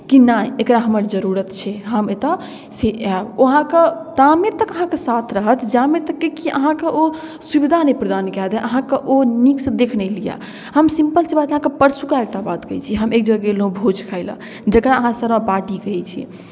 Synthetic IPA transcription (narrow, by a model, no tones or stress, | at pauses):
kinajekɾaɦəməɾd͡ʒəɾuɾət̪t͡ʃʰɛɦəmet̪a | seboɦãket̪amet̪əkəɦãkesat̪ʰɾəɦət̪d͡ʒamet̪əkːekiʔə̰ɦãkeʔo | subid̪ʱanəjpɾəd̪ankɛd̪ɛʔəɦãkeʔoniksd̪ekʰnɛlija̰ | ɦəmsĩmpəlsebat̪əɦãkepəɾsukaek̚ʈabat̪kəjt͡ʃʰiɦəmekd͡ʒəɡelũbʱod͡ʒkʰaɪlə̰̃ | d͡ʒəkɾaəɦãsəɾãpaɾʈikəɛt͡ʃʰḭ